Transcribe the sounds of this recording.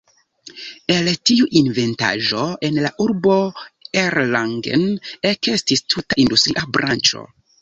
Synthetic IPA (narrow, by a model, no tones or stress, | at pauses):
e̞ltiuʔinve̞nta̰ʒo̞enlaʔuɾbo̞eɾlaŋɡḛneke̞stistʰutaʔindustɾiʔabɾant͡ʃo̞̰